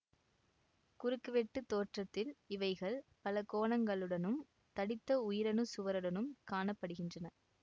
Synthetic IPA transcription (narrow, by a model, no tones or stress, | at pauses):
kʊɾɯkːɯʋɛʈːɯt̪ːoːʈrɐt̪ːɪlɪʋɐɪɣɐɭpɐlɐkoːɳɐŋɡɐɭɯɽɐnɯm | t̪ɐɽɪt̪ːɐʊjɪɾɐnɯsʊʋɐɾɯɽɐnɯmkaːɳɐpːɐɽɯɣɪndrɐnɐ